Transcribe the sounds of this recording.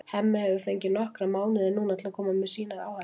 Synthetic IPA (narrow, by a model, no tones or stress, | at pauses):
hɛmːahɛvʏfejɲcɪnɔhkɾamaːwnɪðɪnuːnat̪ʰlakʰɔːmamɛsiːnaɾa̰wha